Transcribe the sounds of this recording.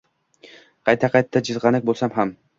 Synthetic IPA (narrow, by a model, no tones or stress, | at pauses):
qʰɑjt̪ʰaqʰɑjt̪ʰːad͡ʒɨzʁɑnɪk̚ʲbolˠsamɦam